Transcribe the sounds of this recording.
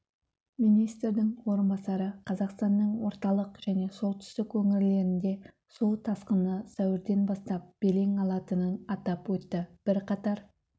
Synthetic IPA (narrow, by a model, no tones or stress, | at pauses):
mijnijst̪ɾd̪ɪŋwo̞ɾənbɑsɑɾəqʰɑzɑqst̪ɑnːəɴwo̞ɾt̪ɑlˠəqʒ̥æne̞so̞lˠt̪ʰʏ̥st̪ɪkwɵŋɪɾle̞ɾɪnd̪e̞ | so̞lˠt̪ʰɑsqənəsæwɪɾd̪e̞nbɑst̪ɑp̚b̥e̞le̞ŋɑlˠɑt̪ənənɑt̪ɑpwɵt̪ːɪb̥ɪɾqʰɑt̪ɑɾ